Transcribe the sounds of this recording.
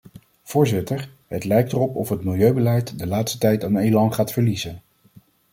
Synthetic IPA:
v̥ʊːɹzɪtəɹ | ɦətlɛjk̚tərɔpɔfɦətmɪlˠjøɥbəlɛjtdəlaːtstə̥tɛjtanejlɑnχaːtfəɹlizən

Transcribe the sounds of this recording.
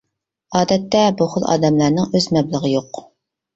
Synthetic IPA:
ɑːd̪ɛt̪ːɛbuχəlˠɑ̰ːd̪ɛmlˠæɾnɨŋøzmɛblˠəʁəjoq

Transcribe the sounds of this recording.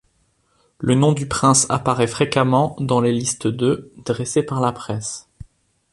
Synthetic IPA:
lənɔ̃d̪ypχɛ̃sapaʁɛfχekamɑ̃d̪ɑ̃lelist̪d̪ød̪ʁesepaʁlapχɛs

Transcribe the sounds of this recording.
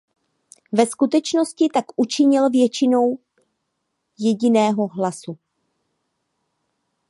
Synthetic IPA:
vɛskut̪ɛt͡ʃno̞scɪt̪akʔut͡ʃɪɲɪlvjɛt͡ʃɪno̞w | jɛɟɪnɛːɦo̞ɦlasu

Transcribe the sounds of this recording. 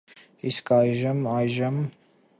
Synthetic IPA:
iskʰɑjʒəmɑjʒəm

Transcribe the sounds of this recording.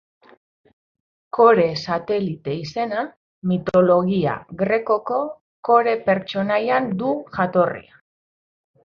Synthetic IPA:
ko̞ɾe̞sat̪e̞lit̪e̞ise̞na | mit̪o̞lo̞ɣia̰ɣɾe̞ko̞ko̞ | ko̞ɾe̞pe̞ɾt͡ʃo̞najand̪uʝat̪o̞rḭa

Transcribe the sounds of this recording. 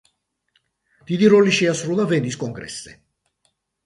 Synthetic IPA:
d̪̥id̪iɾɔliʃiasɾulˠavɛnd̪iskʼɔŋɡɾɛ̰sːɛ̰

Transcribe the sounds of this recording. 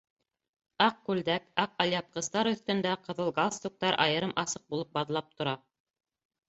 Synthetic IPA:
ɑq̚kʉld̪ækɑq̚ɑlʲjɑp̚qɤ̆zt̪ɑɾɵ̆θt̪ɵ̆nd̪æqɤ̆ðɤlˠɡalˠst̪uk̚t̪ɑɾʔɑjɤ̆ɾɤmʔɑsɤq̚bulˠɤp̚bɑðlˠɑp̚t̪ŏɾɑ

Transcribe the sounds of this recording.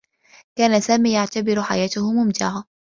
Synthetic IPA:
kaːnasaːmiːjaʕt̪abɪɾħa̰jaːt̪ʊhʊmʊmd͡ʒ̪a̰ːɦa

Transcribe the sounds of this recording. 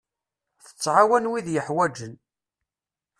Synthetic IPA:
θə̥t͡sːʕawænwiðjəħwæd͡ʒən

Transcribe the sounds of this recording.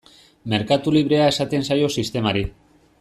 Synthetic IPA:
me̞ɾkat̪uliβ̞ɾe̞ae̞sat̪e̞nsajo̞sist̪e̞maɾi

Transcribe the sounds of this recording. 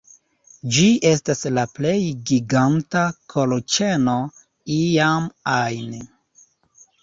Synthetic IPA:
d͡ʒiʔe̞staslaple̞jɡiɡantakʰolot͡ʃe̞no̞ | ijamajne

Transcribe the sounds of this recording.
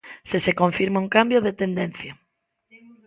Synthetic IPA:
sesekoɱfiɾmauŋkambjoðet̪end̪enθja

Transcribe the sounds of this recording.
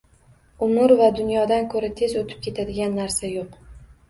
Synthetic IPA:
ʊmʊɾvad̪ʊnjɒd̪ankʰɵɾat̪ʰezot̪ʰɪ̥p̚kʲe̞t̪ʰad̪ɪɡʲanːaɾsajoq

